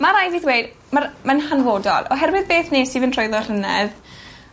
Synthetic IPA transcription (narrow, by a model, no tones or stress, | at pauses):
maɾajviθwejd | marmanhanvoːdɔ̰lˠɔ̰ɦɛrwɨðbeːθneːsivɨntʰrɔjðɔr̥ənɛð